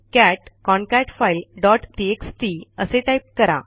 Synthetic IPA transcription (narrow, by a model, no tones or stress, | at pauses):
kæʈkɔɳkɛʈfajilɖɔʈʈieksʈiəseʈajp̚kəɾa̰